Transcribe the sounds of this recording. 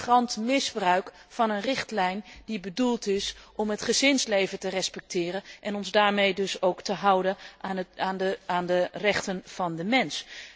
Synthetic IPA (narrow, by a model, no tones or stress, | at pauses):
rɑntmɪzbrœɥkfɑnənrɪχtlɛjnd̥ibədulˠtɪsʔɔmɦətχəzɪnslejvətərɛspɛk̚tɪːrənʔɛnɔnzdaːɹmejdɵsowktəɦʌwdəʔaaːnəaːndərɛχtənv̥ɑndəmɛns